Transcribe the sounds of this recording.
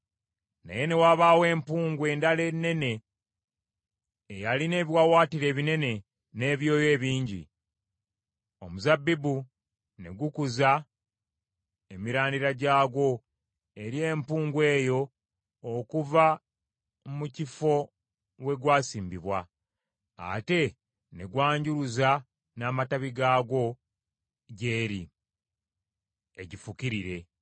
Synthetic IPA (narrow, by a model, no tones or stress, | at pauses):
na̰je̞ne̞waːβaːwe̞ːmpuːŋɡwe̞ːndale̞nːe̞ne̞ | jaline̞ːβiwawaːtiɾe̞ːβine̞ne̞ | ne̞ːβjo̞ːje̞ːβiːɲɟḭ | o̰muzabːibu | ne̞̰ɡukuza | e̞miɾaːndiɾaɟaːɡo̞ | e̞ɾie̞ːmpuːŋɡwe̞ːjo̞ː | kuva | mucifo̞ | we̞ɡwaːsiːmbiβwa | a̰te̞ | ne̞ɡwaːɲɟuɾuza | naːmataβiɡaːɡo̞ | ɟe̞ːɾi | eɟifukiɾiɾe̞